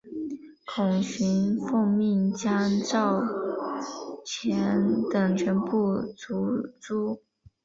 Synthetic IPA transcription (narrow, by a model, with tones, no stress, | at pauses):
kʰʊ˨˩ŋɕy˧˥nfo˥˧ŋmi˥˩nt͡ɕjɑ˥ʈ͡ʂɑ˥˩ʊ | t͡ɕʰjɛ˧˥nt̪ɤ˨˩ŋt͡ɕʰɥɛ˧˥npu˥˩t͡su˧˥t͡su˥